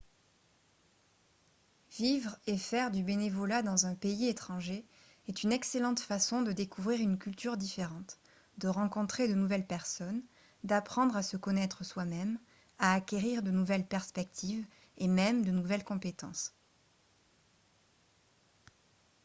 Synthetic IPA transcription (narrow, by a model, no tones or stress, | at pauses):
vivʁefɛʁd̪ybenevɔlad̪ɑ̃zɛ̃peiet̪χɑ̃ʒe | ɛt̪ynɛkselɑ̃t̪fasɔ̃d̪əd̪ekuvʁiʁynkʲylt̪yʁd̪ifeʁɑ̃t̪ | d̪əʁɑ̃kɔ̃t̪χed̪ənuvɛlpɛʁsɔn | d̪apχɑ̃d̪ʁasəkɔnɛt̪χəswamɛm | aːkʲeʁiʁd̪ənuvɛlpɛʁspɛk̚t̪ʰiv | emɛmd̪ənuvɛlkɔ̃pet̪ɑ̰̃s